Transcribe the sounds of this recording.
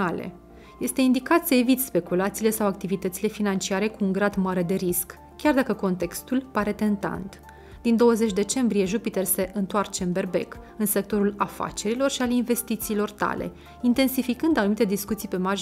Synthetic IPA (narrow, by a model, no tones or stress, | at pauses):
alḛ | je̞st̪e̞ind̪ikat̪səe̞vit̪spe̞kulat̪siːle̞sawak̚t̪ivit̪ət̪sile̞finant͡ʃiaɾe̞kuːŋɡɾad̪maɾe̞d̪e̞ɾisk | kʲard̪akəko̞nt̪e̞kst̪ulpaɾe̞t̪e̞nt̪a̰nt̪ | d̪̥ind̪o̞wəze̞t͡ʃʲd̪e̞t͡ʃe̞mbɾije̞ʒupit̪erse̞ʔɨnt̪oart͡ʃe̞ɨnbe̞rbe̞̰k | ɨnse̞k̚t̪o̞ɾulafa̰t͡ʃe̞ɾilo̞rʃialinve̞st̪it̪siːlo̞rt̪a̰le̞̰ | int̪e̞nsifikɨnd̪anumit̪e̞d̪iskut̪sijpe̞maʒ